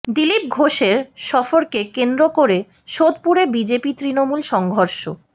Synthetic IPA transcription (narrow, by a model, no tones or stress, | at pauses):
d̪ilip̚ɡʱoʃeɾʃɔfoɾkekend̪ɾokoɾe | ʃod̪puɾebid͡ʑepit̪ɾinomulʃɔŋɡʱoɾʃo̰